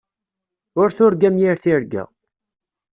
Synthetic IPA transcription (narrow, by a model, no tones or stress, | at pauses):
ʊɾθʊɾɡæmjiɾθiɾɡæ̰